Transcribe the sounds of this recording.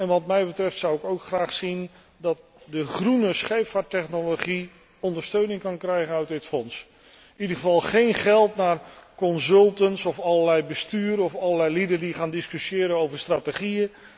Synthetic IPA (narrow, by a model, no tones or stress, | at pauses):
ɛnʋɑtmɛjbətrɛftsʌwɪkowkχraːχsin | dɑt̚ | dəχrunəsχejpfatɛχnoloχi | ɔndəɹstøɥnɪŋkɑnkrɛjχənœɥtdɪtfɔns | ɪnidəχəvɑlˠχejnχɛlˠtnaːrkɔnzɵlˠtəntsɔfɑləlɛjbəstyːɾɔfɑləlɛjlidədiχaːndɪskyʃjɪːɾənowvəɹstraːtəχiə